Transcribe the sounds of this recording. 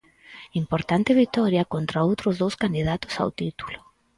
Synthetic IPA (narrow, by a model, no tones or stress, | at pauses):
impoɾt̪ant̪ɪβit̪ɔɾjakont̪ɾaowt̪ɾʊzðowskand̪iðat̪ʊ̥sa̰wt̪it̪u̥lʊ̥